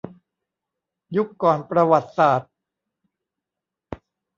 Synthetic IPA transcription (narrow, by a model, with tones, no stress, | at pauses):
ju˦˥kːɔː˨˩npɾa˧wa˨˩t̪̚saː˨˩t̪̚